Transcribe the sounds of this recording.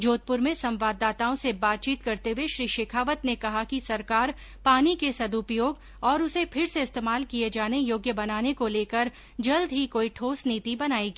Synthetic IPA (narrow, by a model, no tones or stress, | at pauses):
d͡ʒoːt̪̚pʊɾmẽsɐ̃mʋaːd̪ːaːt̪aːõsebaːt̪̚t͡ʃiːt̪kɐɾt̪eɦweʃɾiːʃeːkʰaːʋət̪nekɐɦakisɐɾkaːɾ | paːnikesɐd̪upjoːɡ | ɔːɾʊsepʰɪɾseɪst̪eːmaːlkijed͡ʒaːnejoːɡjəbɐnaːnekoleːkəɾ | d͡ʒɐld̪ɦikoːiʈʰoːsniːt̪ibɐnaːeːɡiː